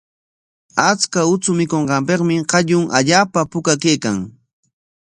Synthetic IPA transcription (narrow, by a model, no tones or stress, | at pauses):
at͡skaʊt͡sʊmɪkoɴɢɑmpeqmɪqɑʎʊŋʔa̰ʎaːpapʊkakejkaŋ